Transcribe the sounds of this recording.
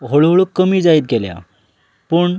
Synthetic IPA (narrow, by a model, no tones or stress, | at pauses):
ɦoɭɦoɭukːəmiːd͡zaiːt̪̚ɡʱelja̰ | pəɳ